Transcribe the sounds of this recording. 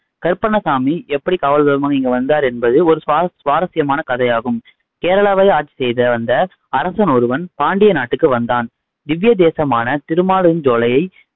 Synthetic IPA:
kɐɾpɐɳɐsaːmiʔɛpːɐɽikaːʋɐɭðɐɾɐmaːŋɪŋɡɐʋɐnd̪aːɾɛnbɐðɯɔɾɯsaːsʋaːɾɐsɪjɐmaːnɐkɐðɐjaːɣɯm | keːɾɐɭaːʋɐɪaːʈ̚t͡ʃːi̥sɛjðɐʋɐnd̪ɐ | ɐɾɐsɐnɔɾɯʋɐnpaːɳɖɪjɐnaːʈːɯkːɯʋɐnd̪aːn | d̪ɪʋjɐd̪eːsɐmaːnɐt̪ɪɾɯmaːlɯnd͡ʒoːlɐjɐɪ

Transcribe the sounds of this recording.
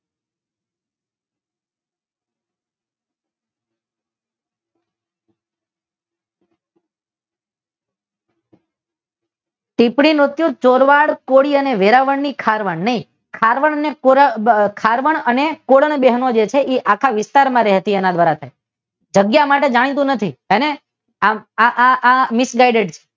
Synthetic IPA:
ʈ̪ipɽimɾʊt̪jũt͡ʃoɾʋaɽkoɽiəneʋeɾaʋəɳnikʰaɾʋəɳnəɦĩ | kʰaɾʋəɳ̃ənekokʰaɾʋəɳənekoɽəɳbeɦnod͡ʒet͡ʃʰeʔeʔakʰaʋɪst̪aɾmãɾɛɦət̪ienãd̪ʋaɾat̪ʰaj | d͡ʒəɡjamaʈed͡ʒaɽ̃it̪ũnət̪ʰiəne | aaʔaʔamɪsɡaiɖeʈt͡ʃʰe̥

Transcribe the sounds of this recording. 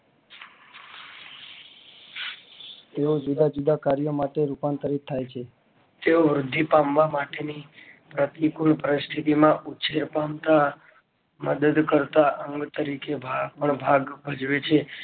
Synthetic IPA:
t̪eod͡ʒud̪ʱad͡ʒud̪ʱakaɾijomaʈeɾupant̪aɾit̪ʰːajt͡ʃʰe | t̪eoʋɾʊd̪ʱːipamʋamaʈenipɾət̪ikuɭpəɾɪst̪ʰit̪imãʔut͡ʃʰeɾpamt̪a | məd̪əd̪kəɾt̪aʔəŋɡt̪əɾikebʱapəɳbʱaɡbʱəd͡ʒʋet͡ʃʰe

